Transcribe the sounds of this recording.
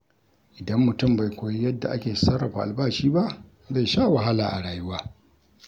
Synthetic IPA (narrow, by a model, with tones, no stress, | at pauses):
ʔɪ˨dɐ˦mːʊ˨tʊ˦mba˨jkʷoː˨ji˦jɐ˦dːa̰˨ʔa˦kʲeː˨sɐ˦rːɐ˨ɸa˨ʔa̰˨lbaː˦ʃiː˦ba˦ʔ | za˦˨jʃaː˦wɐ˨ɦa˦laː˨ʔa˨ɽaː˨jʊ˦waː˦